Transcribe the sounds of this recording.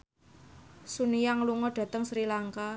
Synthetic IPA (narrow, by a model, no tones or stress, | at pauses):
sunijaŋluŋɔɖ̥ä̤t̪əŋsɾilaŋka